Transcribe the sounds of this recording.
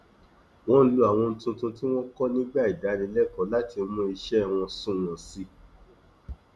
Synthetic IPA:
w̃ɔ̃˦n̩˦lu˦a˨w̃ɔ̃˧n̩˧tũ˧tũ˧ti˦w̃ɔ̃˦kɔ˦nĩ˦ɡ͡ba˦i˨da˨˦nĩ˧˦lɛ˦kɔ˨˦la˦ti˧o˧mɔ̃˧˦i˧ʃɛ˦˨w̃ɔ̃˧sũ˦˨w̃ɔ̃˨si˧˦

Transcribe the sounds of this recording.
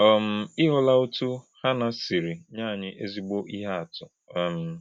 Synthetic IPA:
ɔ˨m̩˨ɪ˦ɦʊ˦la˦ʊ˦tu˦ha˦na˨si˨ɾi˨ɲaː˦˨ɲɪ˦ʔe˦zi˦ɡ͡bo˦ʔi˦ɦa˦a˨tʊ˨ | m̩˨

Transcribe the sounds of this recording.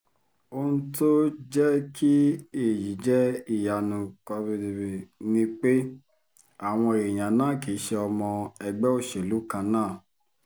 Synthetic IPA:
o˧nũ˦to˦d͡ʒɛ˦ki˦e˦˨ji˨˦d͡ʒɛ˦i˦˨ja˨nũ˧kɔ˧bi˧di˨be˨nĩ˦k͡pe˦ | a˦˨w̃ɔ̃˧e˨ɾe˨j̃ã˨nãː˦˨ke˨˦ʃɛ˧ɔ˧mɔ̃˧ɛ˧ɡ͡bɛ˦o˦˨ʃe˨lu˨˦kã˧nãː˦˨

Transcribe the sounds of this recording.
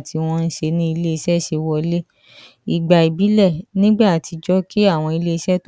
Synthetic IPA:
ti˧w̃ɔ̃˦˧n̩˦ʃe˧nĩ˦i˧le˦i˧ʃɛ˦˨ʃe˧wɔ˧le˦ | i˨ɡ͡ba˨i˨bi˨˦lɛ˦˨nĩ˦ɡ͡ba˦a˨tʰi˧d͡ʒɔ˦ki˦a˦˨w̃ɔ̃˧i˧le˦i˧ʃɛ˦˨t

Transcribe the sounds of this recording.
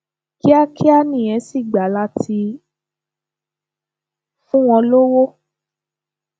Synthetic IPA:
ki˦a˦kʰi˦a˦nĩ˨ɛ̃˨˦si˦˨ɡ͡ba˨˦la˦tʰi˧ | fũ˦w̃ɔ̃˧lo˦wo˦

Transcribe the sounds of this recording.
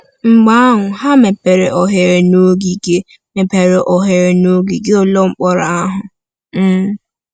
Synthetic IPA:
ŋ͡m̩˨ɡ͡ba˦a˦ɦʊ˨ɦa˦me˨pe˨ɾe˨ʔɔ˨ɦe˨ɾe˨no˦ɡi˨ɡe˦ | me˨pe˨ɾe˨ʔɔ˨ɦe˨ɾe˨no˦ɡi˨ɡe˦o˦lo˦ŋ͡m̩˦k͡pɔ˦ɾa˨a˦ɦʊ˨ | m̩˦˨

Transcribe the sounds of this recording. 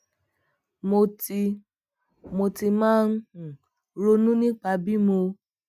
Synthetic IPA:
mo˨ti˨ | mo˨ti˨ma˦n̩˦˨ | ɾo˨nu˦ni˦k͡pa˨bi˦mo˦

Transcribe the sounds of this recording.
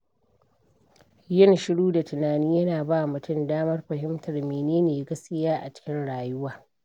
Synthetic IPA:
jɪ˦˨nʃɪ˦ɽuː˦da˨tʊ˨naː˨niː˦jɐ˦naː˨baː˦˨mʊ˨tʊ˦˨ndaː˦mɐ˦rɸɐ˨ɦɪ˦mtʰɐ˨rmeː˨neː˦neː˨ɡɐ˦skʲɪ˦jaː˦ʔa̰˨t͡ʃɪ̥˦kʲɪ˦nɽaː˨jʊ˦waː˨

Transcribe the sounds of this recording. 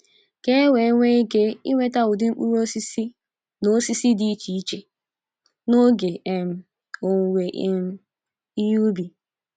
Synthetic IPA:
ke˦we˨˦ŋʷe˦i˦ke˦i˦ŋʷe˦ta˦wʊ˨dɪ˦ŋ͡m̩˦k͡pu˦ɾo˦si˦si˦ | no˦si˦si˦di˦t͡ʃi˨˦t͡ʃe˦ | no˦ɡe˨e˨m̩˨ | o˨ŋ˨wʷe˨ʔe˨m̩˦ | i˦ju˦bi˨

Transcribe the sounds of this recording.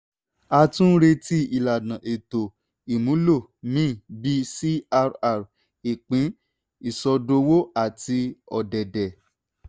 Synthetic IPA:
a˧tũ˦ɾe˧ti˦i˦˨la˨nã˨ʔe˨to˨ | i˨mũ˨˦lo˦˨ | mĩ˦˨bi˦si˦a˧ɾa˧˨ɾ | i˨k͡pĩ˨˦ | i˦˨sɔ˧do˧wo˦a˦˨ti˧ɔ̰˨dɛ˨dɛ˨

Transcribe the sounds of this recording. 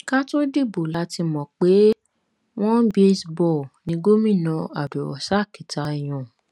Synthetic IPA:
ka˦to˦di˦˨bo˨la˨˦ti˧mɔ̃˨k͡pe˨˦ | w̃ɔ̃˦be˦sbɔ˦˨nĩ˨˧˦ɡo˦mĩ˦˨nã˧a̰˨du˨wɔ̰˨sa˦˨ki˨ta˧˨j̃ɔ̃˨

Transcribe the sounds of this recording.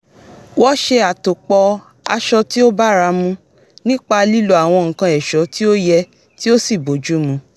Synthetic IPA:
wɔ˦ʃe˧a˨to˨k͡pɔ˧ | a˧ʃɔ˧ti˦o˦ba˦ɾa˧mũ˧ | nĩ˦k͡pa˧li˦lo˧a˨w̃ɔ̃˧ŋ̩̃˨kã˧ɛ˨ʃɔ˨˦ti˦o˦jɛ˧ | ti˦o˦si˦˨bo˨d͡ʒu˨˦mũ˧˦

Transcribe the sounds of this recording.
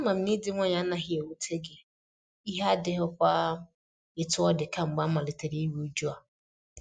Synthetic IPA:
a˦ma˨m̩˦ni˦dɪ˦ŋʷɔ˦ɲa˨˦na˦˨ɦɪ˦e˨u˦tʰe˦ɡɪ˦ | i˦ɦe˦a˦dɪ˦ɦʊ˦kʷa˦ | ɪ˨tʊ˦ɔ˦dɪ˨ka˦ŋ͡m̩˨ɡ͡ba˦ma˨lɪ˨te˨ɾi˦i˦wu˦d͡ʒu˦a˨

